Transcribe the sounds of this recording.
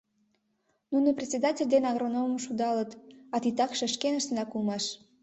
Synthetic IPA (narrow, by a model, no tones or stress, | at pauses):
nunoprʲet̪ʲsʲed̪ɑtʲelʲd̪enɑɣronommʃud̪ɑlət̪ɑt̪it̪ɑkʃə̆ʃkenəʃt̪ənɑkulmɑʃ